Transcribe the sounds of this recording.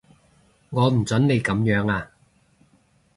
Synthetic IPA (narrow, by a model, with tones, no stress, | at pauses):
ŋɔː˨˧m̩˨˩t͡sɐ˨˥nne˨˧jkɐ˨˧˥mjœː˨˥ŋaː˧